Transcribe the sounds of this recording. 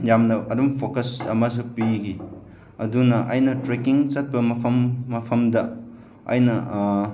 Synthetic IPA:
jamnɐɐɾumpʰokɐsɐ̰mɐs̬upiɡi | ɐdunɐʔɐjnɐtɾekiŋt͡ʃɐt̚pɐmɐpʰɐmːɐpʰɐmdɐ | ɐ̰jnɐ

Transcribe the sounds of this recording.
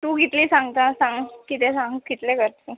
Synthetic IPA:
t̪ũːkit̪liːsãŋɡt̪asãŋɡkit̪ẽsãŋkit̪lekəɾt̪e

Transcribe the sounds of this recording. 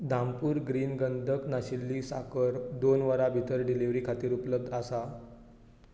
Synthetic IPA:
d̪ʱãmpuːɾɡɾiːnɡənd̪ʱəknaɕilːiːsa̰kəɾd̪onʋəɾabʱit̪əɾɖiliʋɾiːkʰat̪iːɾupləb̚d̪ʱasa

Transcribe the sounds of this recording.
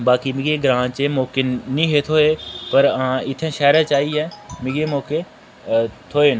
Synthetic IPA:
baːkiːmɪ̃ɡeːɡɾãːt͡ʃeːmoːkɪnːĩːɦeːt̪ʰoːeːpəɾãːɪt̪ʰẽːʃɛːɾãt͡ʃaːiɦɛ̃ːmɪ̃ɡeːmõːke | t̪ʰoːeːn

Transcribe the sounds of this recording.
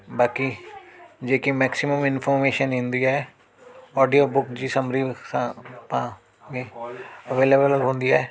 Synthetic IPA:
baːki | d͡ʒeːkimɛːksɪməmɪnpʰɔːɾmeːʃənɦɪ̃nd̪iːɛː | ɔːɖijoːbʊkd͡ʒiːsəmɾiːspãː | mẽːəʋeːleːbəəlɦõːnd̪iːɛː

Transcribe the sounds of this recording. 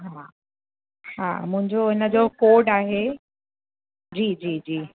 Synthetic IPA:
ɦaː | ɦa̰ːmʊ̃ɦɪ̃ɲd͡ʑoɪnəd͡ʑokoːɖaːɦe | d͡ʑiːd͡ʑiːd͡ʑiː

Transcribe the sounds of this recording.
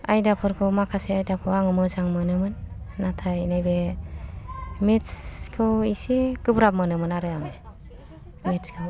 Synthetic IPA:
ajdapʰɯɾkʰɯwmakʰaseajdakʰɯwaŋɯmɯzaŋmɯnɯmɯnː | atʰainajbe | mitskʰɯwisiɡ̥ɯbɾap̚mɯnɯmɯnaɾɯaŋɯ | mitskʰɯw

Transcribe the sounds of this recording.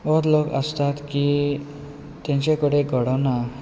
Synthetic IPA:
ɔt̪lokə̰st̪at̪ki | t̪jãɲt͡ɕekəɽeɡʱəɽɔna

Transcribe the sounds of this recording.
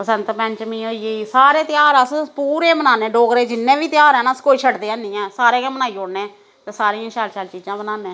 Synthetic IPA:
pəsənt̪pɛ̃ɲt͡ʃmĩːɦoːieisaːɾeːt̪jaːɾəspuːɾẽːbənaːneːɖoːɡɾeːd͡ʒɪnːẽːʋiːt̪ɪjaːɾɛːnaːskoːiːt͡ʃʰəʈd̪eːãːnĩːɛ̃ːsaːɾeːkɛ̃ːmənaːioːɽneː | t̪eːsaːɾĩːãːʃaːlʃaːlt͡ʃiːd͡ʒãːbənaːnẽː

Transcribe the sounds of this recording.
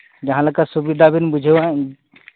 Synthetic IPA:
d͡ʒəɦãləɡkasubid̪ʱabinbud͡ʒʱea

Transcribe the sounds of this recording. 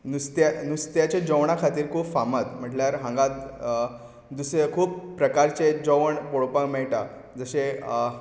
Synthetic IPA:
nust̪janust̪jat͡ɕed͡ʑəʋɳ̃akʰat̪iːɾkʰuːpfamat̪m̤əʈljaɾɦãŋɡat̪̚ | d̪usekʰuːpːɾəkaɾt͡ɕed͡zəʋəɳpoɭpãmɛɭʈa | d͡zəɕe

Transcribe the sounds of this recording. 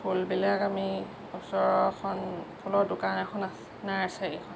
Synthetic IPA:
pʰulbilakami | ɔsɔɹɔkʰɔnpʰulɔdʊkanaxʰɔna | naɹasɛekʰɔn

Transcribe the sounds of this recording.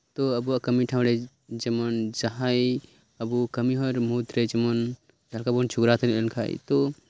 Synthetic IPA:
t̪oəbuakəmiʈʰãw̃ɾe | d͡ʒəmənd͡ʒaɦaj | əbukəmiɦɔɾmut̪ɾed͡ʒemən | d͡ʒʱalkabont͡ʃʰuɡɾat̪nelkʰa̰j̰t̪o

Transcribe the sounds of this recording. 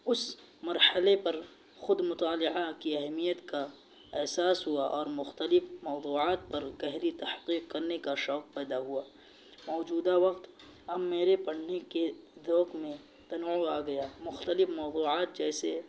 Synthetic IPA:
ʊs | mɐɾhəlepɐɾ | xʊd̪mʊt̪aːlɪʕakiɐɦmijət̪ka | ɛɦsaːsɦuaʔɔːɾmʊxt̪əlɪfmɔːd̪uːʕaːt̪̚pɐɾɡɛɦɾit̪ɐhqiːqkɐɾnekaʃɔːq̚pɛːd̪aɦuaː | mɔːd͡ʒuːd̪aʋɐqt̪ | ɦɐmːeːɾepɐɽ̤neked̪ɔːkmẽ | t̪ɐnuaːɡɐjaːmʊxt̪əlɪfmɔːd̪uːʕaːt̪̚d͡ʒɛːse

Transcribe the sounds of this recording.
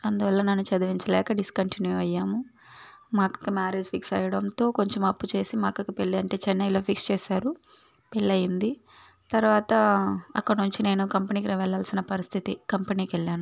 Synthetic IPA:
ɐnd̪uʋɐlːɐnɐnːut͡ʃɐd̪ɐʋiɲt͡ʃɐlɛːkɐɖiskɐɳʈinjuɐjːaːmu | maːkɐ̥kumaːɾeːd͡ʒpʰiksɐ̰jɐɽɐnt̪o̞ːko̞ɲt͡ʃemɐpːut͡ʃe̞ːsimaːkɐkupeɭːiɐɳʈe̞ːt͡ʃɛnːɐjlo̞ːpʰikst͡ʃeːsaːɾu | pelːɐjind̪i | t̪ɐɾʋaːt̪ɐɐkːɐɽnuɲt͡ʃine̞ːnukɐmpeniːkiɾiʋɛlːaːlsinɐpɐɾist̪ʰit̪ikɐmpeniːkɛlːaːnu

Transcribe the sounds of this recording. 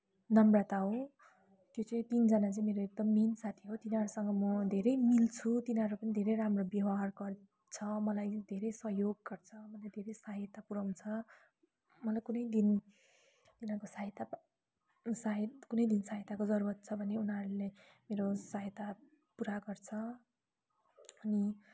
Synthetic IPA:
nʌmrat̪aɦõ | t̪jot͡sʌĩt̪ind͡zʌnat͡saĩmeɾoek̚d̪ʌmːinsat̪ʰiɦot̪inaɾusʌŋɡʌmʌd̪ʱeɾʌjmilt͡sʰut̪inaɾupʌnid̪ʱeɾʌjramrobjʌwaɦarɡʌr | t͡sʰʌmʌlajd̪ʱeɾʌjsʌɦjoɡ̚ːʌrt͡sʰʌmʌlajd̪ʱeɾʌjsaɦet̪apuɾʌw̃t͡sʰʌ | mʌlajkunʌjd̪in | t̪inakosaɦit̪a | sakunʌjd̪insaɦjt̪akod͡zʌɾuɾʌt̪̚t͡sʰʌbʱʌneunɦaɾule | meɾosaɦjet̪a | puɾaɡʌrt͡sʰʌ | ʌni

